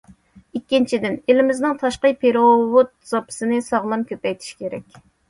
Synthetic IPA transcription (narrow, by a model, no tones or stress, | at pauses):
ikʲːint͡ʃʰid̪ɪnelɪmɪznɪŋt̪ʰɑʃqəjpʰeɾowot̪̚z̥ɑpʰɨ̥sɨnɨsɑʁlˠɑmkʲʰøpɛjt̪ʰi̥ʃkʲʰeɾɛkʲ